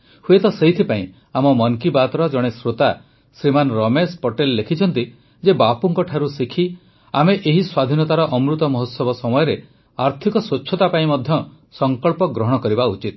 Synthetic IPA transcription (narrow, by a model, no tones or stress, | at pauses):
huet̪ɔseɦit̪ʰipaĩ | amɔmɔŋkibat̪ɾɔd͡ʒɔɽ̃esɾot̪a | sɾimanɾɔmespɔʈelːekʰit͡ʃʰɔnt̪i | d͡ʒebapuŋkɔʈʰaɾusikʰi | ameʔeɦiswad̪ʱinɔt̪aɾɔʔɔmɾut̪ɔmɔɦot̪sɔbɔsɔmɔjɔɾe | aɾt̪ʰikɔswot͡ʃːʰɔt̪apaĩmɔd̪ʱjɔ | sɔŋkɔɭpɔɡɾɔɦɔɽ̃ɔkɔɾibaut͡ʃit̪